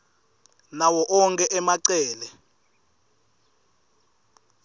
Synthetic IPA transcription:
nawɔʔɔŋkʼɛʔɛmaǀɛːlɛ

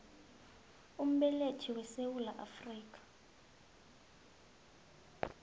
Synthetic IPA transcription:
um̩ɓɛletʰiwɛsewulaʔafriːkʰʼḁ

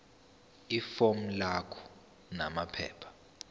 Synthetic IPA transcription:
ifom̩lakʰɔ̥ | namapʰɛ̰ːpʰḁ

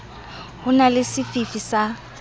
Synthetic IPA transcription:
hʊnalɪsɪfifisa

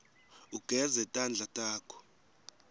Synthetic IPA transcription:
uɡ̥ʱɛzɛtʼand͡ɮʱatʼaːkʰɔ̥

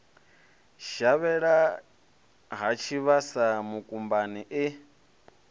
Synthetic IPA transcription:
ʃaβɛɺa | ɦat͡ʃʰiβasamukʼumbaniʔɪ

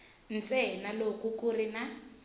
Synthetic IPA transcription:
n̩t͡sɛɦinalokukurina

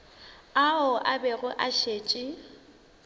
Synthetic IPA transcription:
aʊʔabɛɣʊʔaʃeːt͡ʃʼɪ

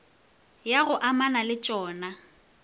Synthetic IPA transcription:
jaɣʊʔamanalɪt͡ʃʼɔːna

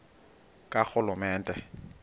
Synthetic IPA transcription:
kʼak͡xʊlʊmɛːntʼɛ

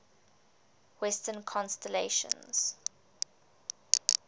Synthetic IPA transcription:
wɛstənkʰɔ̃nstɛleʃə̰̃nz̥

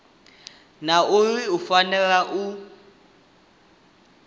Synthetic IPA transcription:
naʊriufanɛlaʔu

